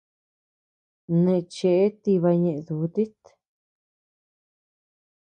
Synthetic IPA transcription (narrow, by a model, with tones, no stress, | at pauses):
nẽ˧t͡ʃe˧ʔe˦t̪i˧βa˧ɲẽ˧ʔẽ˧ðu˨˦t̪i˦t̪